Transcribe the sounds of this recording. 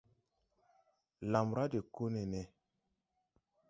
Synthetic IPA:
la˨mɾa˦de˨ko˦nɛ˨nɛ˨

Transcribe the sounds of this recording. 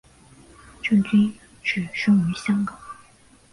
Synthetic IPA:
ʈ͡ʂɤ˥˩ŋt̪i˥ | ʈ͡ʂɻ̩˥˩ʂɤ˥ŋwɛ˧˥ɕjɑ˥ŋkɑ˨˩˦

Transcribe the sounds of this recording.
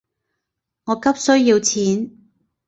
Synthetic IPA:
ŋɔː˨˧kɐ˥p̚sɵ˥ɥjiː˧wt͡sʰiː˨˥n

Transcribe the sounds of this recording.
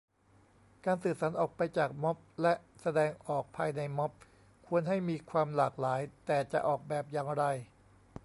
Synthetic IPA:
kaː˧nsɯː˨˩p̚saː˩˦nʔɔː˨˩k̚pa˧jt͡ɕaː˨˩k̚mɔ˦˥p̚lɛ˦˥ʔsa˧dɛː˧ŋʔɔː˨˩k̚pʰaː˧jna˧jmɔ˦˥p̚ | kʰu˧ənɦa˥˩jmiː˧kʰwaː˧mlaː˨˩k̚laː˩˦jt̪ɛː˨˩t͡ɕa̰˨˩ʔɔː˨˩k̚bɛː˨˩p̚jaː˧ŋɾa˧j

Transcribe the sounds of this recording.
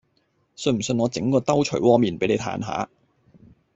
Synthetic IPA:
sɵ˧m̩˨˩sɵ˧nŋɔː˨˧t͡sɪ˨˥ŋkɔː˧t̪ɐ˥wt͡ʃʰɵ˨˩ɥwɔː˧˥miː˨˩npe˨˥jne˨˧jt̪ʰa̰ː˨˥nɦa̰ː˨˥˦

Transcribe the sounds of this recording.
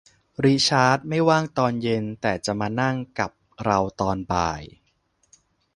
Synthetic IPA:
ɾiː˦˥t͡ɕʰaː˦˥t̪̚ma˥˩jwaː˥˩ŋt̪ɔː˧nje˧nt̪ɛː˨˩t͡ɕa˨˩ʔmaː˧na˥˩ŋka˨˩p̚ɾa˧wt̪ɔː˧nba̰ː˧j

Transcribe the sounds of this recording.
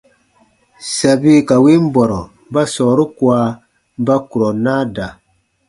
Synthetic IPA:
sa˨bi˦ka˨wi˦m˦bɔ˨ɾɔ˨˦ba˦sɔː˨ɾu˦kwa˨˦ | ba˦ku˨ɾɔ˨naː˦da˨

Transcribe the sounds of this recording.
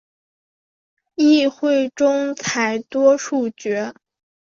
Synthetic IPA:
i˥˧xwe˥˩ɪʈ͡ʂʊ˥ŋt͡sʰa˨˧˩ɪt̪wɔ˥ʂu˥˩t͡ɕɥɛ˧˥

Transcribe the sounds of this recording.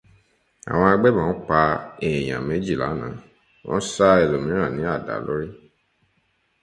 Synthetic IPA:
a̰˨w̃ɔ̃˧a˧ɡ͡bɛ˦mãː˨˦k͡pa˧e˨j̃ã̰˨me˨˦d͡ʒi˦˨la̰˨˦nã̰ː˨˦ | wɔ̰̃˦sa˦e˨lo˨mĩ˨˦ɾ̃ã˦˨nĩ˨˦a˦˨da̰˨˦lo̰˦ɾi˦

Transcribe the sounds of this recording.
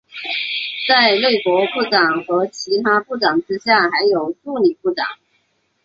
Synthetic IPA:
t͡sa˥˧ɪle˥˩ɪkwɔ˧˥pu˥˩ʈ͡ʂɑ˨˩ŋxɤ˧˥t͡ɕʰi˧˥t̪ʰa˥pu˥˩ʈ͡ʂɑ˨˩ŋʈ͡ʂɻ̩˥ɕja˥˩xa˧˥ɪjo˨˩ʊʈ͡ʂu˥˧ni˨˩pu˥˩ʈ͡ʂɑ̰˨˩˦ŋ

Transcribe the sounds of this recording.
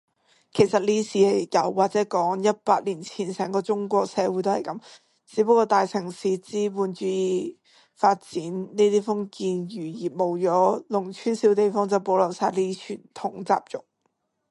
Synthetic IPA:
kʰe˨˩jsɐ˨t̚liː˥siː˨hɐ˨˩jjɐ˨˩wːaː˨k̚t͡sɛː˨˥kɔː˨˥ŋjɐ˥t̚paː˧k̚liː˨˩nt͡sʰiː˨˩nsɛː˨˩ŋkɔː˧t͡sʊ˥ŋkʷɔː˧k̚sɛː˨˧wuː˨˥jt̪o˥whɐ˨jkɐ˨˥m | t͡siː˨˥pə˧˥kːɔː˧t̪aː˨jt͡sʰɪ˨˩ŋsiː˨˧t͡siː˥puː˧nt͡ʃyː˨˧˥jiː˧ | faː˧t̚t͡siː˨˥nni˥t̪iː˥fʊ˥ŋkiː˧njyː˨˩jiː˨˩mo˨˩wt͡ʃɔː˨˥lʊ˨˩ŋt͡ʃʰyː˥nsiː˨˥wt̪e˨jfɔː˥ŋt͡sɐ˨˩wpo˨˥wlɐ˨˩wsaː˧liː˥i˥t͡ʃʰyː˨˩nt̪ʰʊ˨˥ŋt͡sa̰ː˧˨p̚t͡ʃʊ˨˩k̚

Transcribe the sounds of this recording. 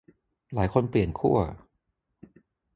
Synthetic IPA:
laː˩˦jkʰo˧npli˨˩ənkʰu˥˩ɐ

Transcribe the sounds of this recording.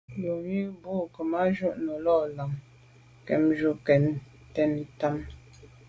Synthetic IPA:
jo˨mi˦bu˦˨kə˨ma˦d͡ʒu˦˨ʔno˨lɔ˦˨la˨ŋ | kɛ̰˨md͡ʒu˦kɛ˨n | tɛ˦nta˦m

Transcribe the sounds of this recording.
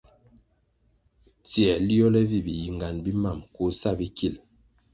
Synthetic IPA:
ti˨ɛ˨li˦ɔ˦lɛ˦vi˦˨bi˨ji˨ŋɡa˨nbi˦ma˦˨mko˦sa˦˨bi˦kʰi˦˨l

